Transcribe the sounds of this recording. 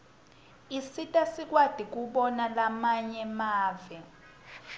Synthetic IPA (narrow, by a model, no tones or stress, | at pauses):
isitʼasik̬ʼwad̥ʱik̬uɓɔnalamaɲɛmaːvɛ